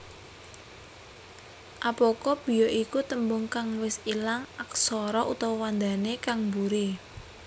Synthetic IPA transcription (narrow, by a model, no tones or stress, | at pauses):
ʔapɔkɔb̥i̤jɔʔikut̪əmbʊŋkaŋwɪsilaŋaksɔɾɔʔut̪ɔwwand̪a̤nekaŋmbuɾi